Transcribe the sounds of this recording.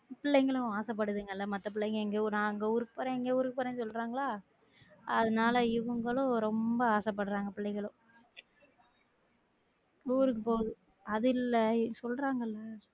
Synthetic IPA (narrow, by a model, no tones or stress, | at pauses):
pɪɭːɛɪŋɡɐɭʊ̃aːsɐp̬ːɐɽɯðɯŋɡɐɪlːɐmɐt̪ːɐpɪɭːɛɪŋɡɐɛŋɡeːnãːŋɡeuɾɯkːɯ̥poːɾẽɛŋɡeːuɾɯkːɯpɐːɾɛ̃ŋsɔlːɾaːŋɡɐɭaː | ɐðɐnaːlɐɪʋɯŋɡɐɭʊ̃ɾɔmbɐaːsɐp̬ːɐɽɯɾaːŋɡɐpɪɭːɐɪŋɡɐɭʊ̃ | uːɾɯk̬ːɯpoːɣɐðɯ | ɐðɪlːsɔlɾaːŋɡɐɪlːɐ